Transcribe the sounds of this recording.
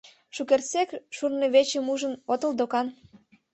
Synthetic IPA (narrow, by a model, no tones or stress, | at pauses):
ʃukersekʃurneβet͡ɕə̆muʒə̆not̪ə̆ld̪okɑn